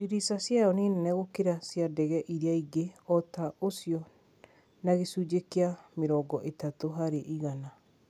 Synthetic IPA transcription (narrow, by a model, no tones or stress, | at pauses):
iɾisasjaɔneːnenɛɣokeɾasjadɛɣɛʔiɾeaiɡeɔtaʔosiɔ | naɣesuːd͡ʒekeameɾɔːɡɔʔetatoɦaɾeʔiɣana